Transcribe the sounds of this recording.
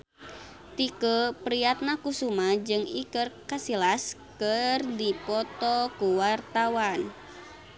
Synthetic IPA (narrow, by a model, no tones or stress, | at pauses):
t̪ikəpɾiat̪̚nakusumad͡ʒɨŋikərkasilaskərdipɔt̪ɔkuwart̪awan